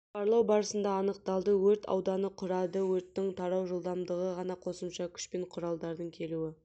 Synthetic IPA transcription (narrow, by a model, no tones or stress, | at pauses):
qɑɾlˠɑwbɑɾəsənd̪ɑːnəq̚t̪ɑlˠd̪əwɵɾt̪ʰɑ̰wd̪ɑnəqʰʊɾɑd̪əwɵɾt̪ːɪŋt̪ʰɑɾɑwʒəlˠd̪ɑmd̪əʁəʁɑnɑqʰo̞səmʃɑkʲʰʏ̥ʃpe̞ɴqʰʊɾɑlˠd̪ɑɾd̪əɴkʲʰe̞luɪ